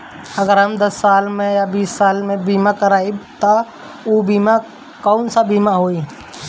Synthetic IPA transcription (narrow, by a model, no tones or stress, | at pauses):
ɐɡəɾɦɐmd̪ɐsːaːlmẽjabiːsːaːlmẽbiːmakəɾaːit̪a | oːbiːma | kɔːʊnsabiːmaɦoːi